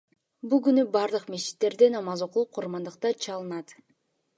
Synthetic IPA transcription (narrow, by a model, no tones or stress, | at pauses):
bulˠɡynybɑɾd̪ɯqmet͡ʃi̥t̪ːe̞ɾd̪enɑmɑzoqulˠup̚qʰuɾmɑnd̪ɯqt̪ɑt͡ʃʰɑlˠɯnɑt̪